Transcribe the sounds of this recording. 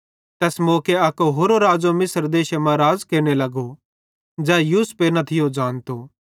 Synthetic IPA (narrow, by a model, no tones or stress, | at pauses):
t̪ɛːsmoːkeɐkoɦoːɾoɾaːd͡ʒomɪsəɾd̪eːʃemãɾaːzkeɾñelɐɡo | d͡ʒɛːjuːspeːnɐt̪ʰɪjod͡ʒaːnt̪oː